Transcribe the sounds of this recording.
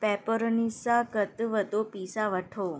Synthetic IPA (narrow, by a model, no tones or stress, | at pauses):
pɛpoɾnisakət̪ʋəd̪opisaʋəʈʰo